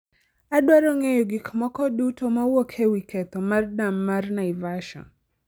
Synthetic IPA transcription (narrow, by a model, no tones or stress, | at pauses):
adwaɾɔŋejɔɡɪkmɔkɔdutomauwokʰewikʰɛt̪ɔmardamːarnaivaʃɔ̰n